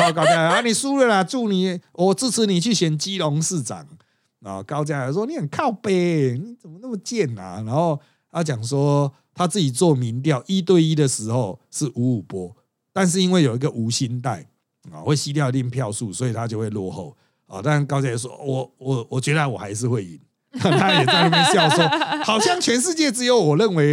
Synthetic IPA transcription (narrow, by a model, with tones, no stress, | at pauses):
ɔ˥˧ka˦ʊt͡ɕja˦˥la˨˩a˥˦ni˨˩su˦lə˥˩na˨t͡su˥˩ni˨˩ɔ˨˩t͡sɹ̩˥˩t͡s̩ʰ˧˦ni˨˩t͡ɕʰy˥˩ɕjɛ˨˩nt͡ɕi˦lɔ˧˦ŋsɹ̩˥˨t͡sa̰˨˩ŋ | ɔ˨˩ka˦ʊt͡ɕja˦la˨˩s̬wɔ˦ni˨˦hə˨˩nkʰa˥˩˨ʊpe˨˦ni˨˩t͡sə˨˩nmə˦na˥˩mə˨˩t͡ɕjɛ˥˨na̰˨˩na˧˦nho˥˧ʊ | jʊt͡ɕja˨˩ŋs̬wɔ˦ | t̪ʰa˦t͡sɹ̩˥˩t͡ɕi˨˩t͡swɔ˥˨mi˨˦nt̪̬jɑ˥˨ʊʔi˦t̪we˥˨˧ɪi˦˥d̪ə˨ʂɻ̩˧˥xo˥˨ʊʂɻ̩˥˩ʔu˨˥˦u˨˩pwɔ˦ | t̪a˥˧nʂ̬ɻ̩˥˧i˦˥nwe˥˩jo˨˩ʊi˧˦ɡə˨ʔu˧˥ɕi˦nt̪a˥˩ɪ̰˨ | we˥˩ɪɕi˦t̪jɑ˥˧ʊli˥˩ŋpʰjɑ˥˧ʊsu˥˩swɔ˧˥i˨t̪ʰa˦t͡ɕjo˥˧ʊwe˥˧ɪlwɔ˥˧xo˥˨ʊ | ɔ̰˨t̪a˥a˨˦nkɑ˥ʊt͡ɕja˥˧jswɔ̰˦wɔ˨˩wɔ˨˩wɔ˨t͡ɕɥɛ˧˦˥d̪ə˧wɔ˨˩a˧˥ɪʂ̬ɻ̩˥˧xwe˥˩ɪḭ˨˩n˦˥˨ | t̪ʰa˦jɛ˨˩t͡sa˥˧ɪna˥˧mə˧˦ɕjɑ˥˩ʊswɔ˥˦hɑ˨˩ʊɕjɑ˥˨˩ŋt͡ɕʰɥɛ˧˥nʂ̬ɻ̩˥˧t͡ɕjɛ˥˨t͡sɹ̩˧˥jo˨˦ʊwɔ˨˩lə˥˨nwe˧˦ɪ